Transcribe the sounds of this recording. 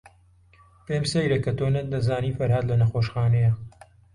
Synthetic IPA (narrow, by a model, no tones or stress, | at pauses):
peːmsɐjɾɐkɐt̪oːnɐd̪ɐzaːniːfɐɾhad̪lɐnɐxoːʃxaːnɐja